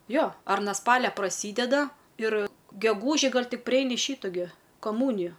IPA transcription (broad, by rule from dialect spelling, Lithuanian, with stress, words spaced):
ˈjoː ɐr nɐ ˈspɑːlʲɛ prɐˈsʲiːdʲɛdɐ ɪr ɡʲɛˈɡuːʒʲɪ ˈɡɐlʲ ˈtʲɪk pʲrʲɪˈɛɪnʲɪ ˈʃʲiːtʊ ɡʲɪ kɐˈmuːnʲɪjʊ